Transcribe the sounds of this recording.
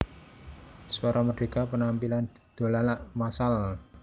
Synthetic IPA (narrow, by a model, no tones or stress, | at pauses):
suaɾʔaməɖ̥e̤kapənampilan | d̪̥o̤lalaʔmasal